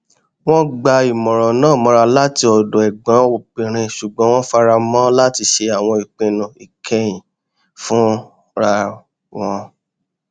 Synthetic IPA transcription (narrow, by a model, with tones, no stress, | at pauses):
w̃ɔ̃˦ɡ͡ba˧i˨mɔ̃˨ɾ̃ɔ̃˨nãː˦˨mɔ̃˨˦ɾa˧la˦ti˧ɔ˨do˨ɛ˨ɡ͡bɔ̃˨˦wo˨k͡pĩ˨ɾ̃ĩ˧ʃu˨ɡ͡bɔ̃˨˦w̃ɔ̃˦fa˧ɾa˧mɔ̃˦la˦ti˧ʃe˧a˨w̃ɔ̃˧i˨k͡pẽ˨nũ˨i˨kʰɛ˧j̃ĩ˨ | fũ˦ | ɾa˧ | w̃ɔ̃˧